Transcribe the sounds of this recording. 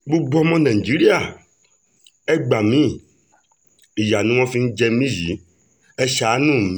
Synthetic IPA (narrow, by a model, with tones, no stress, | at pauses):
bu˦ɡ͡bɔ˦mɔ̃˦nã˨i˨d͡ʒi˦ɾi˦a˨ | ɛ˦ɡ͡ba˨mĩ˦ | i˨ja˨nũ˦wɔ̃˦fi˦ŋ̩˦d͡ʒɛ˦mĩ˦ji˨˦ | ɛ˦ʃa˨˦nũ˦˨m